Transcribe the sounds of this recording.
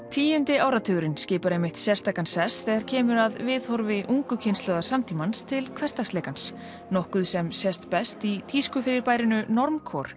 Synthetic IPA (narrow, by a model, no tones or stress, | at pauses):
t̪ʰiːjʏnt̪ɪaːwɾat̪ʰʏɣɾɪnscɪːpaɾejmɪht̪sjɛr̥st̪aːkansɛsθɛɣaɾ̥cʰɛːmʏɾaðvɪðhɔɾvɪʔuŋkʏcʰɪnst̪lɔðaɾ̥samt̪ʰimanst̪ʰɪlkʰvɛr̥st̪aksleːjkans | nɔhkʏðsɛmsjɛst̪pɛst̪it̪ʰiskʏfɪɾɪɾpaːjɾɪnʏnɔɾmkʰɔɾ̥